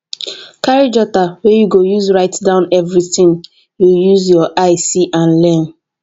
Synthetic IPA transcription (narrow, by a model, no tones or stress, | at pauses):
kaɹid͡ʒɔtawɛjuɡojuzɹaɪtdãʊ̃nɛvɹiθĩŋ | jujuzjɔʔaɪsiʔãnlɛ̃n